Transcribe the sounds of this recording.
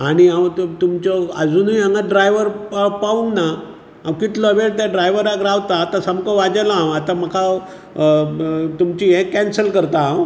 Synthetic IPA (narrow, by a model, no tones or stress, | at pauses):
aɽ̃iãw̪t̪umt͡ɕɔəd͡zuːniaŋɡaɖɾajʋəɾpaũŋɡna | ãwkit̪lɔəʋeɽt̪jaɖɾajʋəɾakɾaʋt̪aːt̪ãsamkɔʋad͡ʑalaãwat̪ãməkʰa | t̪umt͡ɕiẽkːɛnsəlkəɾt̪aãw